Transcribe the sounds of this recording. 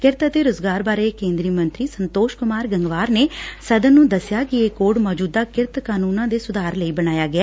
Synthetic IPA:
kɪɾt̪at̪eːɾʊːzɡaːɾbaːɾeːkẽːnd̪ɾiːmə̃nt̪ɾiːsənt̪oːʃkʊmaːɾɡəŋɡʋaːɾneːsəd̪ənːũːd̪əsjaːkɪeːkoːɖmɔːd͡ʒuːd̪aːkɪɾt̪kaːnuːnãːd̪eːsʊd̪aːɾləiːbəñaːjaːɡɪɛː

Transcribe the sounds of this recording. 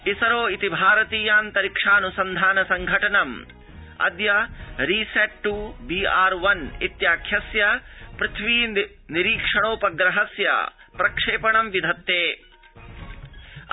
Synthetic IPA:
isɐɾoːit̪ibʱaːɾɐt̪iːjaːnt̪ɐɾikʂaːnusɐnd̪ʱaːnɐsɐŋɡʱɐʈɐnɐm | ɐ̰d̪jɐɾiːseʈʈubiːaːɾʋɐnit̪jaːkʰjɐsjɐpɾɪt̪ʰʋiː | niɾiːkʂɐɳoːpɐɡɾɐɦɐsjɐ̰ | pɾɐkʂeːpɐɳɐmʋid̪ʱɐt̪ːeː

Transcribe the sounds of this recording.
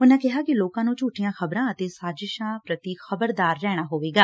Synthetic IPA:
ʊnãːkɪɦaːkɪloːkãːnũːt͡ʃuːʈʰːɪjãːxəbɾãːət̪eːsaːd͡ʒɪʃãːpɾət̪iːxəbəɾd̪aːɾːɛːɽ̃aːɦoːʋeːɡaː

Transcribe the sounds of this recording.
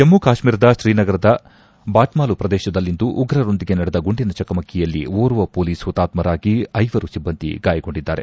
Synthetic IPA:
emːukaːʃmiːɾɐd̪ɐʃɾiːnɐɡɐɾɐd̪ɐ | baːʈmaːlupɾɐd̪ɛːʃɐd̪ɐlːind̪uʔuɡɾɐɾo̞nd̪iɡe̞nɐɽed̪ɐɡuɳɖinɐt͡ʃɐkɐmɐkʰːɛjɐlːḭʋoːɾuʋɐpoːliːsut̪ːaːt̪mɐɾaːɡiɐjʋɐɾusibːɐnd̪ḭɡaːjɐɡo̞ɳɖid̪ːaːɾe̞̰

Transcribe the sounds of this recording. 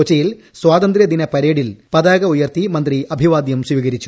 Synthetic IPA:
ot͡ɕːɐjil | swaːd̪ɐnd̪ɾjɐd̪inɐpɐɾeːɽilpɐðaːɡɐujɐrt̪imɐnd̪riɐbʱiʋaːd̪jɐmswiːɣɐɾit͡ɕːu

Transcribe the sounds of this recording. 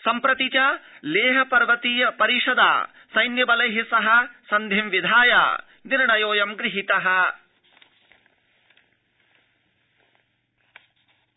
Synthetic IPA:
sɐmpɾɐt̪it͡ʃɐleːɦɐpɐɾʋɐt̪iːjɐpɐɾiʂɐd̪a̰ː | sɐjnjɐbɐlɐjɦisɐɦɐsɐnd̪ʱimʋid̪ʱaːja̰ː | d̪iɾɐɳɐjoːjɐmɡɾiɦit̪ɐɦɐ̆

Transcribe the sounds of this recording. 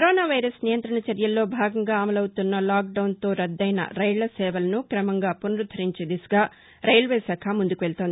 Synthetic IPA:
kɐɾoːnaːʋɐjɾɐsnijɐnt̪ɾɐɳɐt͡ʃɐɾjɐlːo̞ːbʱaːɡɐŋɡaːɐmɐlɐwt̪unːɐlaːk̚ɖɐwnt̪o̞ːɾɐd̪ːɐjnɐ̰ɾɐjɭlɐsɛːʋɐlɐnukɾɐmɐŋɡaːponɾud̪ʱɐɾiɲt͡ʃeːd̪isɐ̥ɡaː | ɾɐjlʋeːsɐːkʰamund̪ukuʋeɭt̪oːnd̪i

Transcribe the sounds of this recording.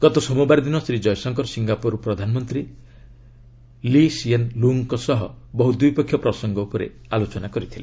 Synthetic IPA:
ɡ̥ɔt̪ɔsɔmubaɾd̪inɔsɾid͡ʒɔjsɔŋkɔɾsiŋɡapuɾɔpɾɔd̪ʱanmɔnt̪ɾi | lisienluŋkɔsɔɦɔbɔɦud̪ujpɔkʰːjɔpɾɔsɔŋɡɔupɔɾḛ | alot͡ʃɔnakɔɾit̪ʰile

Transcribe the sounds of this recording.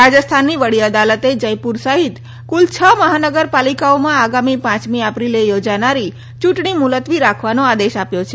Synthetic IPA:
ɾad͡ʒəst̪ʰanːiʋəɽiəd̪alət̪ed͡ʒəjpuɾsaɦit̪ | kult͡ʃʰəməɦanəɡəɾpalikaomãaɡamipãt͡ʃmiəpɾilejod͡ʒanaɾi | t͡ʃũʈɳ̃imulət̪ʋiɾakʰʋanoad̪eʃapjot͡ʃʰe

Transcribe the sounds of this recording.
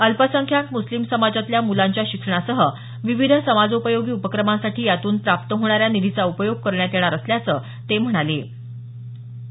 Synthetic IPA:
əlpəsəŋkʰjak̪muslimsəmad͡zat̪ljamulaɲt͡ɕjaɕikʂəɳ̃asəɦə | ʋiʋid̪ʱəsəmad͡zupəjoɡiːupəkɾəmãsaʈiːjat̪uːnpɾap̚t̪əɦoɽ̃aɾjanid̪ʱit͡saupəjoɡ̚kəɾɳjat̪eɽ̃aɾəsljat͡səː | t̪em̤əɽ̃ale

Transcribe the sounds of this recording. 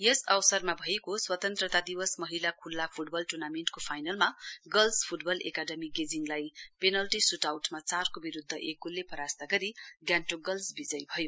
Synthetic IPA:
jʌsʌwsʌrmabʱʌekoswʌt̪ʌnt̪ɾʌt̪ad̪iwʌsmʌɦilakʰulːapʰuʈ̚bʌlʈurnameɳʈkopʰajnʌlmaɡʌlspʰuʈbʌlʔḛkaɖʌmiɡed͡ziŋlajpenʌlʈisuʈawʈmat͡sarkobiɾud̪ʱːʌʔekːulːepʌɾast̪aɡʌɾiɡjanʈoɡʌlsbid͡zʌjbʱʌjo

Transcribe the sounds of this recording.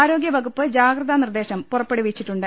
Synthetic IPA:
aːɾo̞ːɡjɐʋɐɡupːɨd͡ʑaːɡɾɐðanird̪e̞ːɕɐmpurɐpːe̞ɽuʋit͡ɕːiʈːuɳɖɨ

